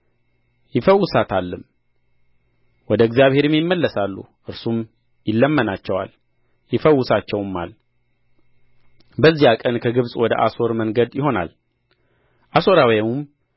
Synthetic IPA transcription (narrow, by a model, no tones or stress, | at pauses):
jɪfəwːʊsat̪ʰalːɨm | wɔd̪əɨɡzjaβhe̞ɾmjɪmːəlːəsalːṵʔɨɾsum | jɪlːəmːənat͡ʃːɛwa̰l | jɪfəwːʊsat͡ʃːɛwmːa̰l | bəzːijakʼənkʰəɡɨβsʼwɔd̪ə̰ʔaso̞ɾməŋɡəd̪jɪɦo̞na̰l | ʔaso̞ɾawjamum